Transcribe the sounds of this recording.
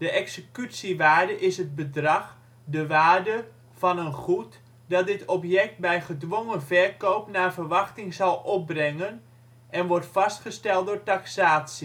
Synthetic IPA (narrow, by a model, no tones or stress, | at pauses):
dəʔɛksəkytsiʋaːrdəʔɪsɦət̚bədrɑx | dəʋaːrdə | fɑnənχut | dɑt̚dɪtʰɔpjɛk̚t̚bɛjχədʋoŋənvɛrkoːpnarvərʋɑxtɪŋzɑlˠɔp̚brɛŋən | ʔɛnʋɔrtfɑstχəstɛlˠt̚dʊːɹtaksaːtsi